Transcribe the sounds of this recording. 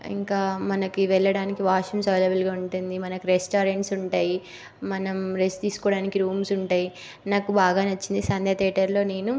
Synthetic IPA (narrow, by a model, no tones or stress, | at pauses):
ḭŋkaːmɐnɐkiʋɛɭːɐɽaːnikiʋaːʂɐmseːlɐbɐlɡaːuɳʈund̪imɐnɐkuɾesʈaːɾeɳʈsuɳʈaːji | mɐnɐmɾest̪iːsu̥kɔːɽaːnikiɾuːmsuɳʈaːji | naːkubaːɡaːnɐt͡ʃːind̪isɐnd̪ɐt̪eːʈɐɾlo̞ːne̞ːnu